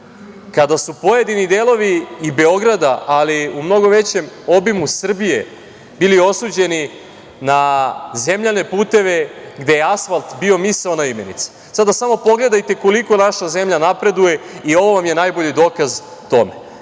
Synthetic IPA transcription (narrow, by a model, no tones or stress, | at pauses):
kad̪asupo̞jed̪inid̪eːlˠo̞ʋiːbe̞o̞ɡɾad̪aʔaliumno̞ɡo̞ʋe̞t͡ɕe̞mo̞bimusr̩bije̞ | bilio̞suːd͡ʑe̞ni | naze̞mʎane̞puːt̪e̞ʋe̞ɡd̪e̞jeasfalˠt̪bio̞misaonaime̞nḭt̪si̥ | sad̪asamo̞po̞ɡle̞d̪ajt̪e̞ko̞liko̞naʃaze̞mʎanapɾe̞d̪uje̞io̞ʋo̞ʋamje̞najbo̞ʎid̪o̞ːkaz | t̪o̞me̞̰